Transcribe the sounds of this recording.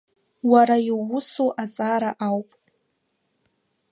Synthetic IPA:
waɾaiwʊsuʔat͡sʼaːɾaʔawpʼ

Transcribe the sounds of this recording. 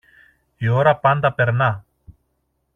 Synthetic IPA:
joɾapand̪apɛɾna

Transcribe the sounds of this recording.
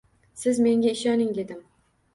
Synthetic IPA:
sɪzme̞ŋɡʲaɪʃɒnɪŋd̪ed̪ɪm

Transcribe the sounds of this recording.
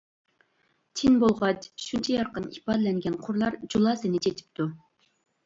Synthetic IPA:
t͡ʃʰinbolˠʁɑt͡ʃʃunt͡ʃʰɛjɑɾqənḭpɑːd̪ɛlɛŋɡʲɛnqʰʊɾlˠɑɾd͡ʒulˠɑsɨnɪt͡ʃʰet̪ʰɪ̥p̚t̪ʰu

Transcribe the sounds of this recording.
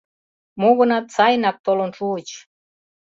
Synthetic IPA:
muɣə̆nɑt̪t͡sɑjnɑk̚t̪olonʃuət͡ɕ

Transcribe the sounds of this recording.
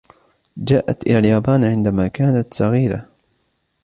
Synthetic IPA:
d͡ʒaːʔa̰t̪ʔɪ̰laljaːbaːnʕɪnd̪amaːkaːnat̪sɑɣiːɾa̰

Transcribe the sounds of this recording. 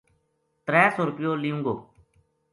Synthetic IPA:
t̪ɾɛːsoːɾʊpjoːliːũːŋɡo̰ː

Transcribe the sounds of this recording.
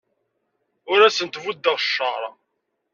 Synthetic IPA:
ʊɾæsənt̪vud̪ːəʁʃːəʁɾˤɑ

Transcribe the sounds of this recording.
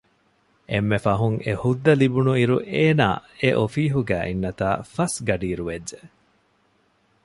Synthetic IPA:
ʔemːefɐɦuŋḛhud̪ːɐlibunuiɾuʔeːna̰ːeʔofiːɦuɡæːʔinːɐt̪aːfɐsɡɐɖiːɾuʋedːe

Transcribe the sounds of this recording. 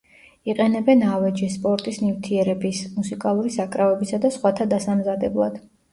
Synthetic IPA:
iqʼɛnɛbɛnavɛd͡ʒispʼɔɾt̪ʼisnivt̪ʰiɛɾɛbismusikʼalˠuɾisakʼɾavɛbisad̪asχwat̪ʰad̪asamzad̪ɛblˠad̪̥

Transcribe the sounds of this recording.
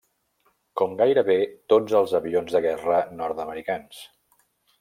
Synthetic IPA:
kɔmɡajɾəβet̪od͡zəlˠzəβionzðəɣɛrənɔɾt̪əməɾikans

